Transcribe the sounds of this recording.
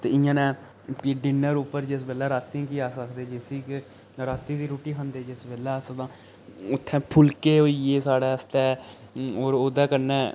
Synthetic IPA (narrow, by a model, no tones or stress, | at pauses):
t̪eːɪjãːnɛ̃ː | piːɖɪnəɾupːəɾd͡ʒɪs̬bɛːlɛːɾaːt̪ːĩkiaːsəkd̪eːd͡ʒɪsiːk | ɾaːt̪ĩːd̪iːɾoːʈiːɦə̃nd̪eːd͡ʒɪsbɛːlɛːsəkt̪ãː | ʊt̪ʰːɛ̃ːpʰʊlkeːɦoːieːsaːɽaːəst̪ɛː | oːɾoːd̪ãːkəɾnɛː